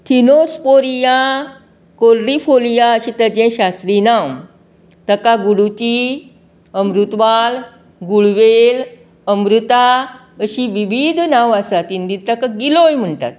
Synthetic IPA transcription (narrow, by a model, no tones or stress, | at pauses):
t̪ʰinospoɾijã | koɾɾifolijaəɕĩt̪əd͡ʑẽɕast̪ɾinaw | t̪əkaɡuɽut͡ɕi | əmɾut̪ʋal | ɡuɭʋel | əmɾut̪a | əɕiʋibid̪ʱnaʋasat̪ind̪it̪əkaɡilojm̤əɳʈa̰t̪̚